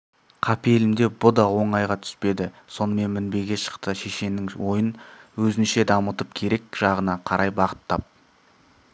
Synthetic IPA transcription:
qʰɑpielɪmd̪e̞bʊd̪ɑwo̞ɴɑjʁɑt̪ʰʏ̥spe̞d̪ɪ | so̞nəme̞nmɪnbe̞ɡʲeʃə̥qt̪əʃe̞ʃe̞nɪŋwo̞jənwɵzɪnʃe̞d̪ɑmət̪əp̚kʲʰe̞ɾe̞kʒ̥ɑʁənɑqʰɑɾʔɑjbɑʁə̥t̪ʰːɑp̚

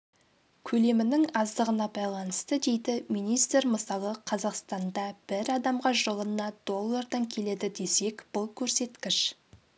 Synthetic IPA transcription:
kʲʰɵle̞mɪnɪŋɑzd̪əʁənɑbɑjlˠɑnəst̪əd̪e̞jd̪ɪmijnijst̪ɾməsɑlˠəqʰɑzɑqst̪ɑnd̪ɑb̥ɪɾɑd̪ɑmʁɑʒolˠənnɑd̪̥o̞lˠːɑrd̪ɑŋkʲʰe̞le̞d̪ɪd̪e̞se̞kb̥ʊlˠkʲʰɵɾse̞t̪kʲɪʃ

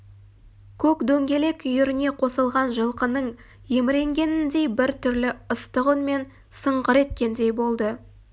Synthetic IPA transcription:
kʲʰɵkd̪ɵŋɡʲe̞le̞kʲʏjʏɾɪne̞qʰo̞səlˠʁɑnʒəlˠqənəɴ | je̞mɪɾe̞ŋɡʲe̞nɪnd̪e̞jbɪɾt̪ʰʏɾlɪəst̪əʁənme̞n | səɴʁəɾe̞t̪kʲe̞nd̪e̞jbo̞lˠd̪ə

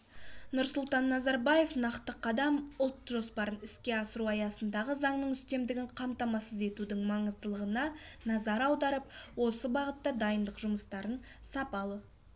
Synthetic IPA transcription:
nʊɾsʊlˠt̪ɑnːɑzɑɾbɑje̞fnɑqt̪əqʰɑd̪ɑmʊlˠt̪ʒo̞spɑɾənɪskʲe̞ɑsəɾuɑjɑsənd̪ɑʁəzɑɴnəɴʏst̪e̞md̪ɪɡʲɪɴqʰɑmt̪ɑmɑsəze̞t̪ud̪ɪŋmɑɴəzd̪əlˠəʁənɑnɑzɑɾɑwd̪ɑɾəp̚wo̞səbɑʁət̪ːɑd̪ɑjənd̪əqʒʊməst̪ɑɾənsɑpɑlˠə

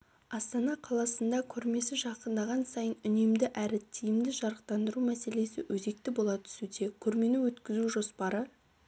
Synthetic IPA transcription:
ɑst̪ɑnɑqʰɑlˠɑsənd̪ɑkʲʰɵɾme̞sɪʒɑqənd̪ɑʁɑnsɑjənʏne̞md̪ɪʔæɾɪt̪ʰijɪmd̪ɪʒɑɾəq̚t̪ɑnd̪əɾumæse̞le̞sɪwɵze̞k̚t̪ɪbo̞lˠɑt̪ʰʏ̥sud̪e̞kʲʰɵɾme̞nɪwɵt̪kʲɪzuʒo̞spɑɾə

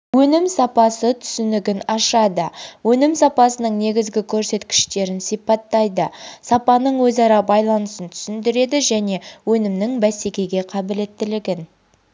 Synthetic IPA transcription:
wɵnɪmsɑpɑsət̪ʰʏ̥sʏnɪɡʲɪnɑʃɑd̪əwɵnɪmsɑpɑsənəɴne̞ɡʲɪzɡʲɪkʲʰɵɾse̞t̪kʲɪ̥ʃt̪e̞ɾɪnsijpɑt̪ːɑjd̪əsɑpɑnəɴwɵzɑɾɑbɑjlˠɑnəsənt̪ʰʏ̥sɪnd̪ɪɾe̞d̪ɪʒæne̞wɵnɪmnɪŋbæse̞kʲe̞ɡʲe̞qʰɑbɪle̞t̪ːɪlɪɡʲɪn

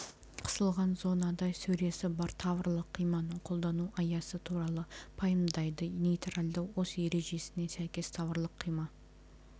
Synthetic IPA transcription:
qʰə̥səlˠʁɑnzo̞nɑd̪ɑjsɵɾe̞sɪbɑɾt̪ʰɑvəɾlˠəqʰːijmɑnəɴqʰo̞lˠd̪ɑnuʔɑjɑsət̪ʰuɾɑlˠəpʰɑjəmd̪ɑjd̪ənejt̪ralʲd̪ɑwwose̞ɾe̞ʒe̞sɪne̞sæjkʲe̞st̪ʰɑvəɾlˠəqʰːijmɑ

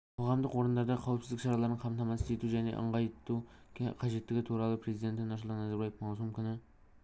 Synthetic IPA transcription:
qʰoʁɑmd̪əqwo̞ɾənd̪ɑɾd̪ɑqʰɑwəpsɪzd̪ɪkʃɑɾɑlˠɑɾnəɴqʰɑmt̪ɑmɑsə̥et̪uʒæne̞̰ʔə̰ɴʁɑjt̪uqʰɑʒe̞t̪ːɪɡʲɪt̪ʰuɾɑlˠəpʰɾe̞zid̪e̞t̪ɪnɑʃ̬əlˠt̪ɑnæzæɾbɑjefmɑwsumkʲʰʏnɪ

